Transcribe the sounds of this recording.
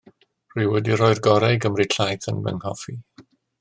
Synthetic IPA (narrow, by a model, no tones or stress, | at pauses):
r̥ɨwɛdirɔːɨrɡɔɾɛjɡəmriɬʰajθənvɛ̰ŋhɔfi